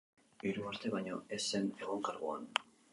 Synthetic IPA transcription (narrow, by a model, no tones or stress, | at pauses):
iɾuaɾt̪e̞βajɲo̞e̞sːe̞ne̞ɣ̞o̞ŋkaɾɣua̰n